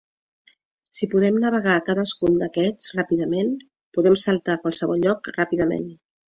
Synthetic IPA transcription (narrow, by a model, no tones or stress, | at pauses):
sipuðɛmnəβ̞əɣ̞akaðəskund̪əkɛd͡zrapiðəmen | puðɛmsəlˠt̪akwalˠsəβ̞ɔʎʎɔkrapiðəmḛn